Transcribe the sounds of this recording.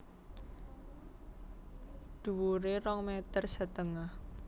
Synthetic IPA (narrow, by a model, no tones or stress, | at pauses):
d̪̥ṳwuɾerɔŋmet̪ərsət̪əŋah